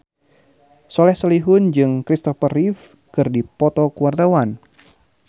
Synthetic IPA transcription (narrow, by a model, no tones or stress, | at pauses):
sɔlɛhsɔliɦʊnd͡ʒɨŋkɾist̪ɔfərif | kɨrdipɔt̪ɔkuard̪awan